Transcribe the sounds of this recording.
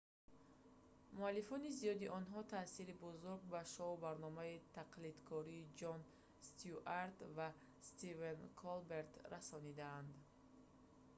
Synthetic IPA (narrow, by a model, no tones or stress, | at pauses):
mualːifɔnizijɔd̪iʔɔnɦɔt̪ʰasilibɔzuɾɡ̚baʃɔubaɾnɔmait̪ʰaqlid̪kʰɔɾiːd͡ʒɔn | st̪iuʔaɾt̪va | st̪ivenkʰɔlbeɾt̪rasɔnid̪aːnd̪